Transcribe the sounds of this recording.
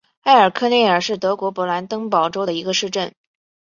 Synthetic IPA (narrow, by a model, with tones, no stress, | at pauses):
a˥˩ɪə˞˨˩kʰɤ˥˧ne˥˩ɪə˞˨˩ʂɻ̩˥˩t̪ɤ˧˥kwɔ˧˥pwɔ˧˥la˧˥nt̪ɤ˥ŋpɑ˨˩ʊʈ͡ʂo˥ʊd̪ə˨˩i˧˥ɡə˧ʂɻ̩˥˧ʈ͡ʂə˥˩n